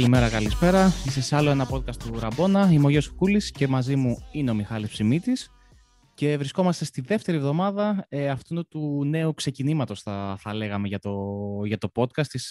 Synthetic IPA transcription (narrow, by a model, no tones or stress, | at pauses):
kɐlime̞ɾɐkɐlispe̞ɾɐisesɐlo̞e̞nɐpo̞t̪̚kɐst̪uɾɐbo̞nɐimoʝesu̥kulisce̞mɐzimuineo̞mixɐlispsimit̪is | ce̞vɾisko̞mɐst̪e̞st̪iðe̞ft̪e̞ɾievðo̞mɐðɐeɐft̪ut̪une̞ukse̞cinimɐt̪o̞sθɐθɐle̞ɣɐme̞ʝɐt̪oʝɐt̪o̞po̞t̪kɐst̪is